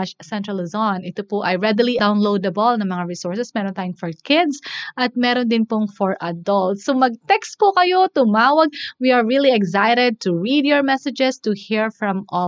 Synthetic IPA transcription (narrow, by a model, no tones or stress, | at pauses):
ʃsɛ̃nt̪ɹɐlɪzɔnʔɪt̪opʊʔɐjɹɛd̪ɪliawnlowd̪ɐbɔlnɐŋmɐŋaɹisɔɹsɛsmɛːɾɔ̃nt̪ajʊŋfɔɹkɪd̪sʔɐt̪̚mɛːɾond̪ɪnpʊŋfɔɹʔɐd̪ɐlt̪somɐɡ̚t̪ɛkst̪̚pʊkɐjot̪ʊmaːwɐɡ̚wiɐɹːiliɛɡsajɾɛd̪̚t̪ʊɹid̪jɔɹmɛsɛd͡ʒɛst̪ʊhiɹfɹɐ̃mʔɔ